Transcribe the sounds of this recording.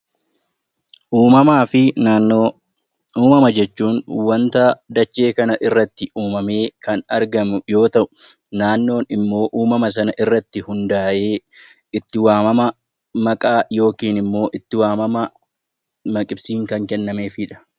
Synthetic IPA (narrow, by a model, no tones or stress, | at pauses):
ʔuːmɐmaːfɪ | uːmɐmɐd͡ʒɛt͡ʃːuːnwɐnt̪ad̪ɐt͡ʃːe̞ːkɐnɐʔɪrːɐt̪ːɪʔuːmɐme̞ːkɐnɐɾɡɐmʊjo̞ːt̪ɐʔʊ̥ | naːnːo̞ːnɪmːo̞ːʔuːmɐmɐs̬ɐnɐʔɪrːɐt̪ːɪhʊnd̪aːʔe̞ːɪt̪ːɪwaːmɐmɐ | mɐkʼaːjo̞ːkiːnɪmːo̞ːʔɪt̪ːɪwaːmɐmɐ | mɐkʼɪbsiːŋkɐŋkɛnːɐme̞ːfɪᶑɐ̥